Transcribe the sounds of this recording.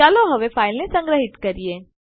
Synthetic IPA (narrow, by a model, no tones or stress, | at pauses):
aːloɦɐʋefʰaːɪlnesɐ̃ŋɡɾəɦɪt̪kɐɾieː